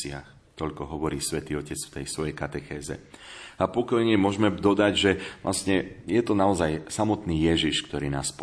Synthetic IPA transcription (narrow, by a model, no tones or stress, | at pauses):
ɪax | t̪ɔʎkɔɦɔʋɔɾiːsʋɛt̪iːɔcɛt͡sft̪ɛjsʋɔjɛjkat̪ɛxɛːzɛ̰apɔkɔjɲɛmʊɔʒmɛd̪ɔd̪aɟʒɛʋlʔasɲɛjɛt̪ɔnaɔzajsamɔt̪niːjɛʒiʃkt̪ɔɾiːna̰ːsp